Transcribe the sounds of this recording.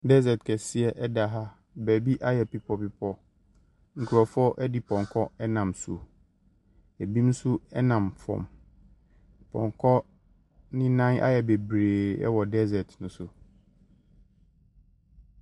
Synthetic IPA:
dɛ˦zɛ˨tkʰɛ˨si˦ɛ˨ʔɛ˦da˨ɦa˦ | bæ˨bi˦ʔa˦jɛ˨pi˦pʰɔ˦pi˦pʰɔ˦ | ŋ̩˨kʰu˨ɾɔ˨fɔ˦ʔɛ˦di˦pʰɔ̃˨ŋkʰɔ˦ɛ˦nã˨msṵ˨ | ɛ˨bĩ˦m˦sʊ˦ɛ˦nã˨mfɔ̰̃˨m | pʰɔ̰̃˨ŋkʰɔ˦ | nɪ̃˦nã˦nʔa̰˦jɛ˨be˨bɾeː˨ɛ̰˦wɔ˨dɛ˦zɛ˨tnʊ̃˦sʊ˨

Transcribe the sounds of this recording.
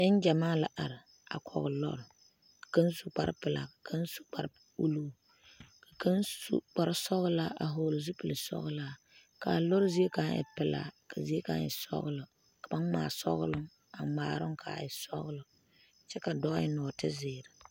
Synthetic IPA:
ɪ˦n˦d͡ʒa˨maː˦la˨ʔa˨ɾɪ˨ | a̰˨kʰɔ̰˨ɣʊ˨lɔ̰˦ɾ | ka˦nsu˨k͡pa˦ɾ̰pɪ˨la̰˨ka˨kʰa˦n˦su̥˦k͡pa˨ɾ | u˦luː˦ | ka˨ka˦nṵ˨k͡pa˨ɾɨ˦sɔ˦ɣʊ˦laː˦ʔa̰˨ɦoː˨lʊ˨zu˦pɨ˨lɨ˨sɔ̰˦ɣʊ˦laː˦ | ka˨lɔ˦ɾzi˦e˦ka˦ŋ˦ʔɪ̰˨pɪ˨la̰˨ka˨zi˦e˦ka˦ɪ̰˨sɔ̰˦ɣʊ˦lɨ˨ | ka˨ba˦ŋma̰ː˨sɔ̰˦ɣʊ˦lʊ˦ŋ | a˨maː˨ɾʊ˦ŋkʰa̰˨ɪ˨sɔ˦ɣʊ˦lɨ˨ | t͡ʃɛ˦ka˨dɔ˦jɪ˦nɔ˨tɪ˦zɪː˨ɾɪ˨

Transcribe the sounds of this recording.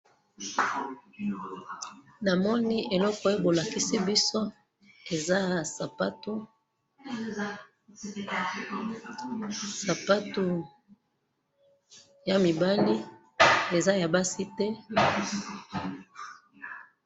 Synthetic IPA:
na˨mɔ˦ni˦e˨lɔ˦kɔ˨˦e˦bo˨la˨ki˦si˦bi˦so˦ | e˨za˦ja˨sa˨pa˦tu˦ | sa˨pa˦tu˨ | ja˨mi˨ba˦li˦ | e˨za˦ja˨ba˦si˦tɛ˦

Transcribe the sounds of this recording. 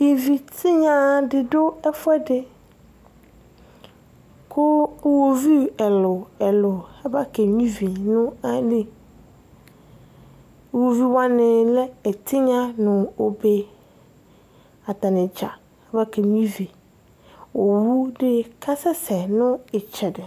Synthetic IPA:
i˨vi˨tʰɪ˦ɲã˨dɪ˨dʊ˦ɛ˦fʊ˦ɛ˦dɪ˦ | kʰʊ˦wo˨vi˦ɛ˨lʊ˨ɛ˨lʊ˨ɛ˦ba˦ke˨ɲĩ˦vi˨nʊ̃˦a˦nĩ˨ | wo˨vi˦wã˦nɪ̃˨lɛ˦ɛ˨tʰɪ˦ɲã˦nʊ̃˨o˨be˨ | a˨t̪a˨nɪ̃˨d͡ʒa˨ | ɛ˦ba˦kʰɛ˨ɲĩ˦vi˨ | wo˨wu˦dɪ˦kʰa˦sɛ˦sɛ˨nʊ̃˦ɪ˨t͡ʃʰɛ˨dɪ˨

